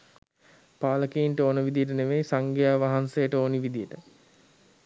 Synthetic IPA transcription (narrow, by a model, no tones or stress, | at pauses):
paːləkiinʈəoːnəʋid̪ijəʈ̬əneʋejsaŋɡejaːʋaɦansejəʈəoːniʋid̪ijəʈə